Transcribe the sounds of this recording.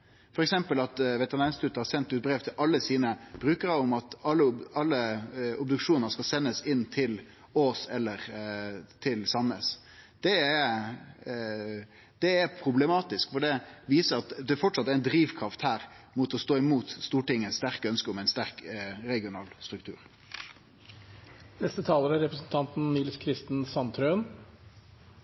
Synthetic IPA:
fɔɾɛksɛmpəlɑt̪ʋɛt̪əɾənɛnst̪ʰʉt̪ːəhɑɾsɛnt̪ʉːt̪̚bɾeːʋt̪ʰɪlʔɑlːəsiːnəb̥ɾʉːkəɾɑʊmɑt̪ɑlːəɑlːəʊbd̪ʉkʂuːnəɾskɑlsɛnːəsɪnːt̪ʰɪl | oːsɛlːəɾ | t̪ʰɪlsɑnəs | d̪̥ɛæ | d̪̥ɛːɾpʰɾʊblɛmɑːt̪ɪskfɔɖɛʋiːsəɾɑt̪d̪ɛfɔʈʂɑt̪ːɛɾɛɪnd̪ɾiːʋkʰɾɑft̪hæːɾ | mʊt̪ɔst̪oːɪmuːt̪st̪uːʈɪŋːəst̪æɾkəœnskəɾʊmæɪnst̪æɾkɾɛɡɪʊnɑ̰ːlst̪ɾʉk̚t̪ʰʉ̰ːɾ | nɛst̪ət̪ʰɑːləɾæɾɛpɾəsn̩t̪ʰɑnt̪n̩nɪlskʰɾɪst̪n̩sɑnt̪ʰɾøːn

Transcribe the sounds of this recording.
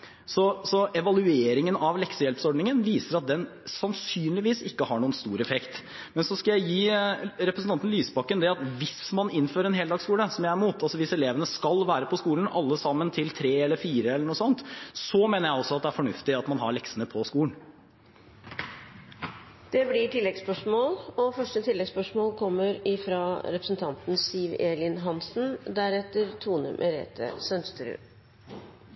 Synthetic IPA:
sɔsɔɛʋɑlʉeːɾɪŋənɑʋlɛksəjɛlpsɔɖnɪŋənʋiːsəɾɑt̪̚d̪ɛnsɑnsyːnlɪʋiːsɪkːəhɑɳuːənst̪uːɾɛfɛkt̪ | mɛnsɔskɑljæɪjiːɾɛpɾəsn̩ʰɑnn̩lyːsbɑkːənd̪ɛɑt̪ʋɪsmɑnɪnføːɾɛnɦeːld̪ɑːɡskuːləsɔmjæɪæɾmuːt̪ʰɑlsɔʋɪsɛleːʋənəskɑlʋæːɾəpʰɔskuːln̩ʔɑ̰lːəsɑmːənt̪ʰɪlt̪ʰɾeːɛlːəɾfiːɾəɛlːəɳuːsɔnt̪sɔmeːnəjæɪɔsːɔɑt̪̚d̪ɛæɾfɔɳʉft̪ɪɑt̪mɑnɦɑɭɛksənəpʰɔskuːlɳn | d̪̥ɛblɪʈʰɪlːɛɡspœʂmoːlɔfœʂʈət̪ʰɪlːɛɡspœʂmoːlkʰɔmːəɾɪfɾɑːɾɛpɾəsn̩t̪ʰɑnt̪n̩siːʋeːlɪnɦɑnsn̩d̪æɾɛt̪ːəɾt̪ʰuːnə̰mʔɛ̰ɾḛːt̪ʰə̰sœnst̪ɾʉ̰ː

